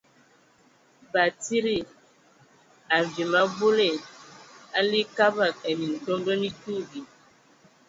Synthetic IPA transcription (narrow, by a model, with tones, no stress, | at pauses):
ba˨ti˦ɾi˦˨ | a˨vi˨ma˦bu˦le˦˨ | a˦li˦ka˦ba˦˨ke˨nĩ˨n̩˨tɔ˦m˦ɖɔ˦nĩ˦tu˦vi˨